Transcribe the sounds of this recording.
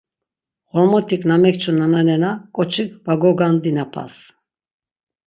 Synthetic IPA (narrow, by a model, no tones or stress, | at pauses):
χɔɾmɔt̪ʰiknamɛkt͡ʃʰunananɛnakʼɔt͡ʃʰikʰvaɡɔɡand̪inapʰa̰s